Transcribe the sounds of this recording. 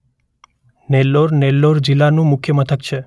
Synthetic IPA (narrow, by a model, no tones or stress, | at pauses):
nelːoɾnelːoɾd͡ʒilːanũmʊkʰjəmət̪ʰəkt͡ʃʰe